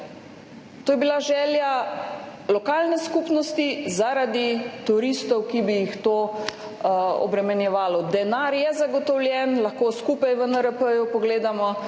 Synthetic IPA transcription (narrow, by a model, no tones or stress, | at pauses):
t̪oːjɛbilaʒɛːlja | lɔkaːlnɛskupnɔst̪izaɾad̪it̪uɾist̪ɔwkibijixt̪oː | ɔ̰bɾɛmɛnjɛʋaːlɔd̪ɛnaɾjɛzaɡɔt̪ɔwljɛnlɐxkoːskupajʋənəɾəpəjupɔɡleːd̪amɔ